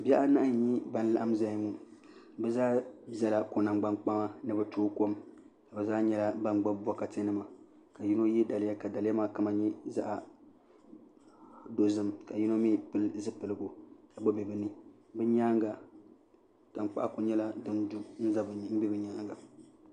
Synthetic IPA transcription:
bɛ˦ʔa˦na˦˨ɲi˦ba˦n˦la̰˦ʔa˦m˦za˦jŋu˨ | bɛ˦zaː˦za˦la˨ko˨na˨mɡ͡ba˦nk͡pa˦ma˦nɨ˦bɛ˦toː˦ko˦m | ka˨bɛ˨zaː˦ɲɛ˦la˦ba˦nɡ͡ba˦bɔ˦ka˨te˦nɨ˦ma˨ | ka˨ji˦no˦jɛ˦da˨lɪ˦ja˦ka˨da˨lɪ˦ja˦ma˦ka˨ma˨ɲi˦za̰˦ʔa˨ | do˦zɨ˦mka˨ji˦no˦mi˦pɨ˦lzɨ˦pɨ˨lɨ˨ɡo˨a˨bo˦bɛ˨bɨ˨nɨ˦ | bɨ˦ɲaː˦ŋɡa˨ | ta˨nk͡pa̰˦ʔa˦ko˨ɲɛ˦la˦dɨ˦ndu˦n̩˦za˦bm̩˦bɛ˦bɨ˨ɲaː˦ŋɡa˨

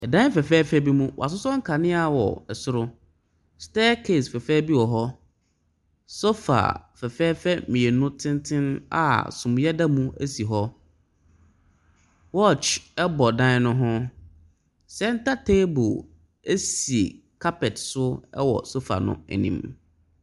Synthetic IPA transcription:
ɛ˨dã˦fɛ˨fɛː˦fɛ˦bi˦mũ˦wɔ̰˨a˨s̬ʊ˦sɔ̃˦ŋ̩˦kʰa˨nɪ̃˦a˨wɔ̰˨ɛ˨sʊ˦ɾʊ˦ | stɛː˦kʰe˦˨sfɛ˨fɛː˦bi˦wɔ˨ɦɔ˦ | so˦fa̰˨fɛ˨fɛː˦fɛ˦mĩ˨e˨nʊ̃˦tʰɪ̃˦n˦tʰɪ̃˦na̰˦˨sʊ̃˨m̃˨jɛ˦da˦mũ˦æ̰˦si˨ɦɔ˦ | wɔ˦˨t͡ʃɛ˦bɔ˨dã˦nʊ̃˦ɦʊ̃˦ | sɛ˦n̩˦ta˦tʰe˦bo˨ | e˦si˨ḛ˨ | kʰa˦pɛ˨tsʊ˦ɛ˦wɔ̰˨so˦fa̰˨nʊ̰̃˦æ̰˨nḭ̃˦m

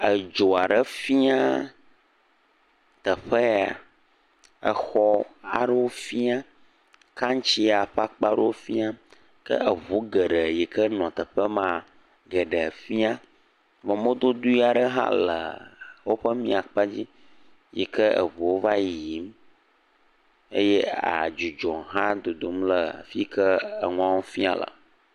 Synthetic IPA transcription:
ə˨d͡ʒo˨a˨ɖə˦fi˦a˦ | t̪ə˨ɸə˦a˨ | ə˨xɔ˦a˨ɖə˦wo˦fi˦a˦ | ka˦ŋ˦t͡ɕi˦a˨ɸa˦k͡pa˦ɖə˦wo˦fi˦a˦ | kə̰˦ʔə˨vu˨˦ɡə˨ɖə˨ji˨kʰə˦nɔ̃˨t̪ə˨ɸə˦mã˦˨ | ɡə˨ɖə˨fi˦a˦ | mə˨mo˦d̪o˦d̪u˦i˦a˨ɖə˦ɦã̰˦lə̰˨wo˦ɸə˦mĩ˦a˨k͡pa˦d͡ʑi˦ | jḭ˨kə˦ə̰˨βu˨wo˦va˦ji˨˦m | ḛ˦jɛ˦a̰˨d͡ʒu˨d͡ʒɔ̃˨ɦã˦d̪o˨d̪o˨mlə̰˨fi˦kʰə˦ə˨ŋũ˦ã˦wo˦fi˦a̰˨lə̰˨

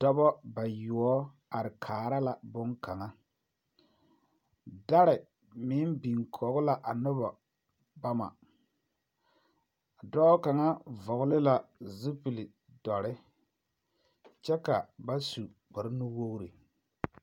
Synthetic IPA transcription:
d̥ɔ˦bɔ˦ba˨jʊ˨ɔ˦ | a˨ɾɪ˨kʰaː˨ɾa˦la˨bʊ˦ŋka˨ŋa˦ | da˦ɾɪ˨ | mɪ˨˦bi˨ŋkʰɔ˨ɣʊ˦la˨ʔa˨nʊ˦ba˨ | ba˦ma̰˨ | dɔ˦ka˨ŋa˦vɔ˨ɣʊ˦lɪ˦la˨zi˦pi˨li˨ | dɔ˨ɾɪ˦ | t͡ʃɛ˦ka˨ba˦su˨ | k͡pɔ˨ɾnu˦wo˦ɣɾi˨

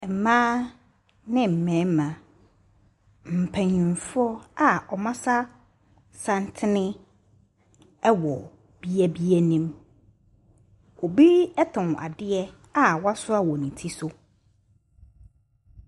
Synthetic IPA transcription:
m̩˨mãː˦ | nɪ̃˦m̩˨mɛ̃ː˨˦mã˨ | m̩˨pʰæ˨ɲĩ˨ɱ˨fʊ˦ɔ˦a˨ɔ˨mã˦sa˦ | sã˦ntʰɪ˦nɪ̃˦ | ɛ˦wɔ˨ | b̥i˦ɛ˦bi˦æ˦nĩ˦m | o˨bi˦ɛ˦tʰɔ̃˨n˨ʔa̰˨dɪ˦ɛ˦ | a˨wa˦sʊ˦a˦wɔ˨nĩ˨tʰi˦sʊ˦

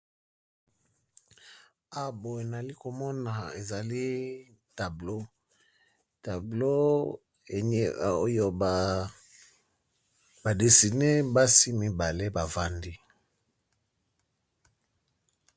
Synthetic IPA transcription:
a˨bo˨e˨na˨li˦ko˨mɔ˦na˨e˨za˨li˦ | ta˨blo˦ | ta˨blo˦˨˦ | o˦jo˦˨ | ba˨de˨si˨ne˦ba˦si˦mi˦ba˨le˦ba˨va˦ndi˦

